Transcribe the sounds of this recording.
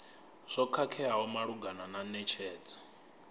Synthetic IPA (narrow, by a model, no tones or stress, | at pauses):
ʂɔkʰakʰɛɦaɦɔmaɺuɡanananɛt͡ʃʰɛːd͡zḁ